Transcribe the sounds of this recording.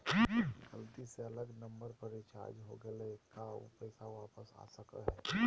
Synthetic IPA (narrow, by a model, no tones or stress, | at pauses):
ɡəlt̪iseɐləɡnə̃mbəɾpəɾet͡ʃa̰ːɾd͡ʒɦo̰ɡɐlekapɛɪsaʋaːpəsa̰ːsəkə̰ɦɛː